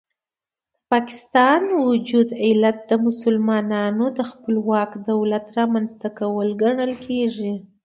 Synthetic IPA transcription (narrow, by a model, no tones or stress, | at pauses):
d̪əpɑkɪ̥st̪ɑnwʊd͡ʒud̪ɪlat̪̚d̪əmʊsʊlmɑnɑnod̪əxpəlwɑkd̪awlat̪ɾɑmanzt̪akawəlɡaɳəlkʰeʐi